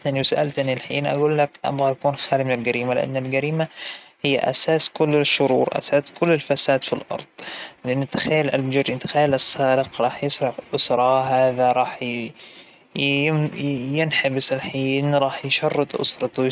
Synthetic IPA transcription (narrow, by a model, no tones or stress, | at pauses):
ʔnɪlːiwsaʔalt̪ʔɪnːɪlħiːnʔa̰ɡuːlːakʔa̰bɣajakuːnxaːlimɪnɪlɡaɾiːmalɪʔa̰nːalɡaɾiːmahɪjːa̰ʔa̰saːskʊlːɪʃːʊɾuːɾʔa̰saːskʊlːɪlfasaːd̪filʔɑ̰ɾˤd̪̥ˤlɪʔɪnːt̪ḁxajːlʔa̰ld͡ʒʊɾʔɪnt̪ḁxajalʔɑsːaːɾɪqɾˤɑːħjɪsɾɑʕʔʊsɾˤɑɦaːðaɾˤɑːħ | jɪnħabɪsalħiːnɾˤɑːħjʃɑrˤːɨt̪ˤʔʊ̰sɾˤɑt̪